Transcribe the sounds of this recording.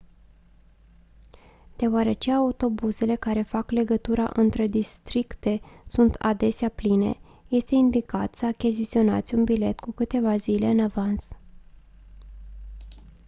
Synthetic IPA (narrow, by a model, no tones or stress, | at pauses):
d̪̥e̞oaɾe̞t͡ʃeaut̪o̞buze̞le̞kaɾe̞fakle̞ɡət̪uɾa̰ʔɨnt̪ɾe̞d̪ist̪ɾikt̪e̞sunt̪ʰa̰d̪e̞seapline̞̰ | je̞st̪e̞ind̪ikat̪səakʲizit̪sio̞na̰t̪sʲunbile̞t̪kukɨt̪e̞vazile̞ɨnavans